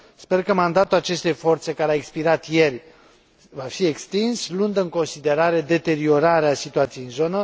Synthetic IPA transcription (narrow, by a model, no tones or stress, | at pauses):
spe̞rkəmand̪at̪ulat͡ʃe̞st̪e̞jfo̞rt̪se̞kaɾeaekspiɾat̪je̞rʲ | vafie̞kst̪inslund̪əɨŋko̞nsid̪e̞ɾaɾe̞d̪e̞t̪e̞ɾio̞ɾaɾeasit̪uat̪sijinzo̞nə